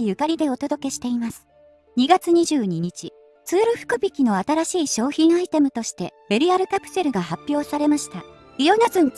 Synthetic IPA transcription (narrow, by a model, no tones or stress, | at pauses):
ijɯ̟kaɾʲid̪e̞o̞t̪o̞d̪o̞ke̞ɕi̥t̪e̞imasɨ̥ | ɲ̟iɡat͡sɨɲ̟iʑɨːɲ̟iɲ̟it͡ɕi | t͡sɨːɾɯ̟ɸɯ̟̥kɯ̟bʲikʲino̞at̪aɾaɕiːɕo̞ːçĩɰ̃ait̪e̞mɯ̟t̪o̞ɕi̥t̪e̞b̥e̞ɾʲiaɾɯ̟kapɯ̟̥se̞ɾɯ̟ɡaɦapʲːjo̞ːsaɾe̞maɕi̥t̪a | ijonazɨ̃n